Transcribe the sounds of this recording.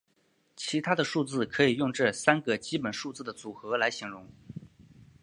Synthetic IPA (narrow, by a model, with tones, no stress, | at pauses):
t͡ɕʰi˧˥t̪ʰa˥d̪ə˨ʂu˥˧t͡sɹ̩˥˩kʰɤ˧˥i˨˩jʊ˥˧ŋʈ͡ʂɤ˥˩sa˥nɡə˧˨t͡ɕi˥pə˨˩nʂu˥˧t͡sɹ̩˥˩d̪ə˩t͡su˨˩xɤ˧˥la˧˥ɪɕi˨˩ŋɻʊ˧˥ŋ